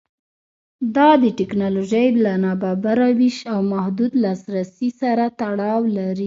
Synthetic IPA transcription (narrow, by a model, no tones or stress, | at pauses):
d̪ɑd̪əʈɪknɑloʒəjlanɑbabaɾawiʃawmahd̪ud̪lɑsɾasisaɾat̪aɽɑwlaɾi